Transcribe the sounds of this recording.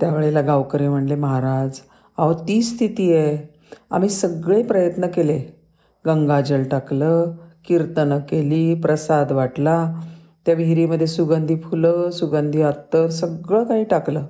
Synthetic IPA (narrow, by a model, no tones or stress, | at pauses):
t̪jaʋeɭelaɡawkəɾem̤əɳʈleməɦaɾad͡z | aʋət̪iːst̪ʰit̪iːje | a̰m̤iːsəɡɭepɾəjət̪nəkele | ɡəŋɡad͡ʑəlʈakləkiɾt̪ənəkeliːpɾəsad̪ʋaʈla | t̪jabiɾiːməd̪ʱːjesuɡand̪ʱiːfuləsuɡãnd̪ʱiːat̪ːəɾsəɡɭəːkaɦiːʈakləː